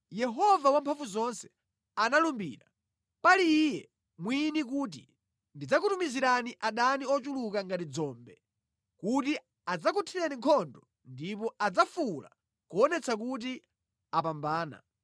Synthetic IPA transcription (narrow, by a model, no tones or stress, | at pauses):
jɛɦɔvawampʰaɱvuzɔnsɛ̥ | analumbḭːɾa | paliːjɛ | mwinik̬uːt̬ḭ | ndid͡zak̬utumiziɾaniʔaɗaniɔt͡ʃulukaŋɡatid͡zɔːmbɛ | kuti | ad͡zakutʰiɾɛniŋkʰɔndɔ | ndipɔad͡zafula̰ | kuɔnɛt͡sʰak̬ut̬i | apambaːna̰